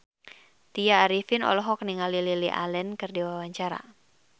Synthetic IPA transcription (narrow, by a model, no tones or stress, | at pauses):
t̪ijaːɾifɪnɔ̰lɔɦɔk̚niŋalililiʔa̰lɛnkɨrdiwawaɲt͡ʃaɾa̰